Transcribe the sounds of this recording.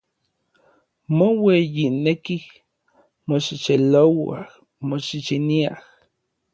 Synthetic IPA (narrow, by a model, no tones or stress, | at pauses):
mowejinekih | moʃit͡ʃelowa̰h | moʃit͡ʃiniah